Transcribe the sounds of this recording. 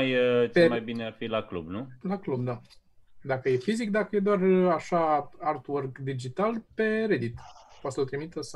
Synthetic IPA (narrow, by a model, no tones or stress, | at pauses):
jt͡ʃemajbinearfilaklṵbnulaklubd̪a | d̪akəje̞fizikd̪akəjed̪oaraʃaart̪worɡd̪id͡ʒit̪alpe̞ɾe̞d̪it̪pwat̪səot̪ɾimit̪əsə